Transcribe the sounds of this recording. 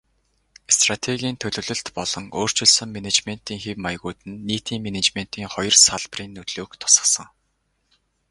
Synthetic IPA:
st̪rat̪ʰeɣʲiːnt̪ʰɵɮɵ̆ɮɵ̆ɬt̪pɔɮɞ̆ŋoːr̥t͡ɕɪ̆ɮsɵ̆ŋmenet͡ɕmen̥t̪iːŋxewmajɣuːt̪ɘ̆nːiːt̪iːŋmenet͡ɕmen̥t̪iːŋχɔjɞ̆rsaɮpriːnːɵt̪ɮuːkt̪ʰʊ̥sə̥̆sə̆ŋ

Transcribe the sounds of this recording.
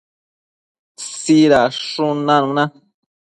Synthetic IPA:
siɾaʂũnãnũnã

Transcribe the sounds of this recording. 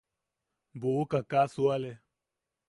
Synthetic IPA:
bowokãkaːsoalɛ

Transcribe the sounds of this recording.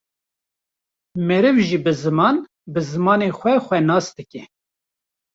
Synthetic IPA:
mɛɾɨvʒiːbɨzɨmɑːn | bɨzɨmɑːnexʷɛxʷɛnɑːsd̪ɨkʲɛ

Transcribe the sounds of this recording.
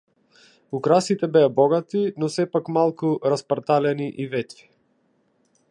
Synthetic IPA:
ukɾasit̪ɛbɛjabɔɡat̪inɔsɛpakmalˠkuɾaspaɾt̪alɛniʔivɛt̪ɾi̥

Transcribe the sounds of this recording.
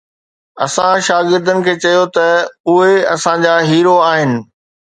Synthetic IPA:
ɐ̰sãʃaːɡɪɾd̪ənɪ̆kʰeːt͡ɕɐjot̪ɐʊɦeɐsãd͡ʑaːɦiːɾoaːɦɪnɪ̆

